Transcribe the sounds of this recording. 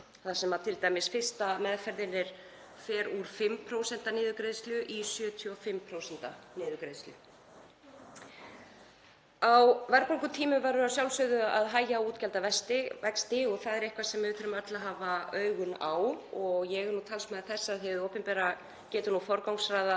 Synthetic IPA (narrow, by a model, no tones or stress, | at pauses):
θasɛmːat̪ʰɪlt̪aːjmɪsfɪ̥st̪amɛðfɛɾðɪnːɪɾ̥ | fɛːɾuɾ̥fɪmːpʰɾoːwsɛn̥t̪anɪːðʏkɾejðst̪ljʏʔisjœːt̪ʰiɔfɪmːpʰɾowsɛnt̪anɪːðʏkɾejðslʏ̰ | awvɛɾkaŋkʏt̪ʰiːmʏmvaːɾʏɾawsjawlsœɣðʏaðɦaːjaːwuːt̪cɛlt̪avɛst̪ɪvɛkst̪ɪɔɣθaðɛɾehkvasɛmvɪvɪθʏɾʏmat̪laɦaːvaœːɥɣʏnawɔɣjɛɣɾnut̪ʰalsmaðɪθɛsːaaðɛvɪðowpɛmpɛːɾa | cɛːt̪ʏɾnufɔɾkawŋsɾaːjða